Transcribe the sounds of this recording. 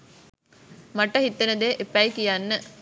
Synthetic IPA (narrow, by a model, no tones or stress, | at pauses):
mɐʈːɐɦit̪ːenəd̪eːʔepːɐjkijanːə